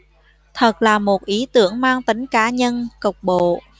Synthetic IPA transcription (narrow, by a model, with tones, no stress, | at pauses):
t̪ʰə˨˩t̚laː˨˩mo˨˩t̚ʔi˨˦t̪ɨ˧˥əŋmaː˧ŋt̪ï˨˦ŋ̟kaː˨˦ɲə˧nkə˨˩wk͡p̚ɓo̰˧˨